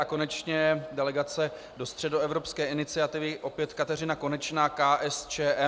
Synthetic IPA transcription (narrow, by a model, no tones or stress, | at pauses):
ako̞nɛt͡ʃɲɛdɛlɛɡat͡sɛ | do̞st̪r̝̥ɛdo̞ɛvɾo̞pskɛːʔɪnɪt͡sɪat̪ɪvɪʔo̞pjɛt̪kat̪ɛr̝ɪnako̞nɛt͡ʃnaːkaːʔɛst͡ʃɛːʔɛ